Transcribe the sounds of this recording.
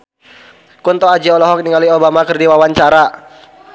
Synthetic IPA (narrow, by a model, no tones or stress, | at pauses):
kunt̪ɔad͡ʒiɔlɔɦɔk̚niŋaliobamakɨrdiwawaɲt͡ʃaɾa